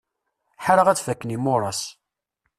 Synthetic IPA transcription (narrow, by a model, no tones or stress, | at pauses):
ħaɾəʁæt͡sfækːənimʊrˤɑs